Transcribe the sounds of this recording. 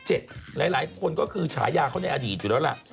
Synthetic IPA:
t͡ɕe˨˩t̪̚laː˨˩˦jlaː˨˩˦jkʰo˧nkɔː˥˩kʰɯː˧t͡ɕʰa̰ː˩˦jaː˧kʰa˥˩wna˧jʔa˧diː˨˩t̪̚ju˨˩lɛː˦˥la̰˨˩ʔ

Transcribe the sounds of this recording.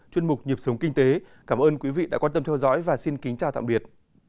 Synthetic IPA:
t͡ɕwi˧ənmʊ˨˩k͡p̚ɲi˨˩p̚sə˨˦wŋ͡mkï˧ŋ̟t̪e˨˦kaː˧˩mʔəː˧nkwi˨˦vḭ˧˨ɗa̰ː˧˥kwaː˧nt̪ə˧mt̪ʰɛ˧wzɔ̰˧˥jvaː˨˩si˧nkï˨˦ŋ̟t͡ɕaː˨˩wt̪a̰ː˧˨ɓi˨˩ət̚

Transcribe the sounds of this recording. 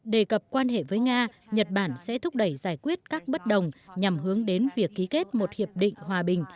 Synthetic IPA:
ɗe˨˩kə˨˩p̚kwaː˧nhḛ˧˨vəː˨˦jŋaː˧ɲə˨˩t̚ɓaː˧˩nsɛ̰˧˥t̪ʰʊ˦˥k͡p̚ɗə˧˩jzaː˧˩jkwi˦˥ət̚kaː˦˥k̚ɓə˦˥t̚ɗə˨˩wŋ͡mɲa˨˩mɦɨ˨˦əŋɗe˨˦nvi˨˩əkːi˨˦ke˦˥t̚mo˨˩t̚hi˨˩əp̚ɗḭ̈˧˨ŋ̟hwaː˨˩ɓï˨˩ŋ̟

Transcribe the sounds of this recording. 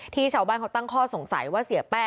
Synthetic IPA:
t̪ʰiː˥˩t͡ɕʰaː˦baː˥˩nkʰwt̪a˥˩ŋkʰɔː˥˩so˨˩˦ŋsa̰˨˦jwaː˥˩si˨˩˦ɐpɛː˥˩

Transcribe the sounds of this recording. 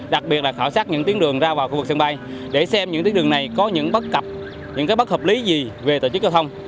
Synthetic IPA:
ɗa˨˩k̚ɓi˨˩ət̚la˨˩xaː˧˩wsaː˦˥ɲɨ̰˧˥t̪i˨˦əŋɗɨ˨˩əŋzaː˧vaː˨˩wxu˧vɨ˨˩k̚sŋɓa˧jɗe˧˩sɛ˧mɲɨ̰˧˥ŋt̪i˨˦ɗɨ˨˩ə˩na˨˩jkɔ˨˦ɲɨ̰˧˥ŋɓə˦˥t̚ka˨˩p̚ | ɲɨ̰˧˥ŋkaː˨˦jɓə˦˥həː˨˩p̚li˨˦zi˨˩ve˨˩t̪o˧˩t͡ɕɨ˦˥k̚za˧wt̪ʰwŋ͡m

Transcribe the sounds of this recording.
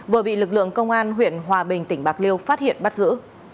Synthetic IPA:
vəː˨˩əɓḭ˧˨lɨ˨˩k̚lɨ̰˧˨əŋkə˧wŋ͡mʔaː˧nɦwḭ˧˨ənɦwaː˨˩ɓï˨˩ŋ̟t̪ï˧˩ŋ̟ɓaː˨˩k̚li˧əwfaː˦˥t̚hḭ˧˨ənɓa˦˥t̚zɨ̰˧˥

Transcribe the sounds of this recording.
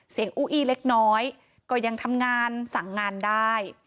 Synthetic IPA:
si˨˩˦əŋʔuː˧˩ʔiː˧˩le˦˥k̚nɔː˦˥j | kɔː˥˩ja˧ŋt̪ʰa˧mŋaː˧nsa˩˦ŋːaː˧ndaː˥˩j

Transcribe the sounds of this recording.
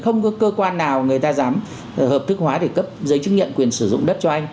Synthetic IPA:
xə˧wŋ͡mkɔ˨˦kəː˧kwaː˧nːaː˨˩wŋɨ˨˩əjt̪aː˧zaː˨˦m | həː˨˩p̚t̪ʰɨ˦˥k̚hwaː˨˦ɗe˧˩kə˦˥p̚zəː˨˦jt͡ɕɨ˦˥k̚ɲḭ˧˨nkwi˨˩ənsɨ˧˩zʊ̰˧˨ŋ͡mɗə˦˥t̚t͡ɕɔ˧ʔa˧jŋ̟

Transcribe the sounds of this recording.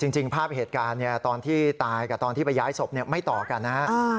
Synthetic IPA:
t͡ɕi˧ŋt͡ɕi˧ŋpʰaː˥˩p̚heː˨˩t̪̚kaː˧nːi˥˩ɐt̪ɔː˧nt̪ʰiː˥˩t̪aː˧jkaː˨˩t̪ɔː˧nt̪ʰiː˥˩pa˧jaː˦˥jso˨˩p̚ni˥˩ɐma˥˩jt̪ɔː˨˩ka˧nːa˦˥ha˦˥ʔ

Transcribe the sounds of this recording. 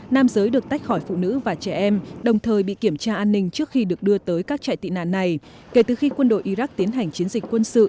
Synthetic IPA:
naː˧mzəː˨˦jɗɨ˨˩ək̚t̪a˦˥k̟̚xɔ˧˩jfṵ˧˨nɨ̰˧˥vaː˨˩t͡ɕɛ˧˩ʔɛ˧mɗə˨˩wŋ͡mt̪ʰəː˨˩jɓḭ˧˨ki˧˩əmt͡ɕaː˧ʔaː˧nːï˧ŋ̟t͡ɕɨ˦˥ək̚xi˧ɗɨ˨˩ək̚ɗɨ˧ət̪əː˨˦jkaː˦˥k̚t͡ɕa̰ː˧˨jt̪ḭ˧˨na̰ː˧˨nːa˨˩j | ke˧˩t̪ɨ˨˩xi˧kwə˧nɗo̰˧˨jʔi˧ɾa˦˥k̚t̪i˨˦ənɦa˨˩ŋ̟t͡ɕi˨˦ənzi˨˩k̟̚kwə˧nsɨ̰˧˨

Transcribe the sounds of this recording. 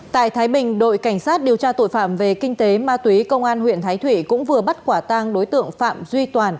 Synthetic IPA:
t̪a̰ː˧˨jt̪ʰaː˨˦jɓï˨˩ŋ̟ɗo̰˧˨jka˧˩ŋ̟saː˦˥t̚ɗi˨˩əwt͡ɕaː˧t̪o̰˧˨jfaː˧˩mve˨˩kï˧ŋ̟t̪e˨˦maː˧t̪wi˨˦kə˧wŋ͡mʔaː˧nhwḭ˧˨ənt̪ʰaː˨˦jt̪ʰwḭ˧˨kʊ̰˧˥ŋ͡mvɨ˨˩əɓə˦˥t̚kwaː˧˩t̪a˧ŋɗo˨˦jt̪ɨ̰˧˨əŋfa̰ː˧˨mzwi˧t̪waː˨˩n

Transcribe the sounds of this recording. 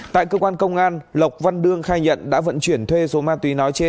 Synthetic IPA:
t̪a̰ː˧˨jkəː˧kwaː˧nkə˧wŋ͡mʔaː˧nlə˨˩wk͡p̚va˧nɗɨ˧əŋxaː˧jɲə̰˧˨nɗa̰ː˧˥və̰˧˨nt͡ɕwi˧˩ənt̪ʰwe˧so˨˦maː˧t̪wi˨˦nɔ˨˦jt͡ɕe˧n

